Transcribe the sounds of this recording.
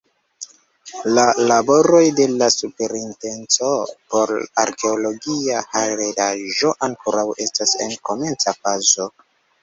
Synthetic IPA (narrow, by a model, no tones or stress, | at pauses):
lalabo̞ɾo̞jde̞lasupe̞ɾinte̞nt͡so̞po̞ɾaɾke̞olo̞ɡiahaɾedaʒo̞ʔaŋkoɾawe̞stase̞̰nko̞me̞nt͡safazo̞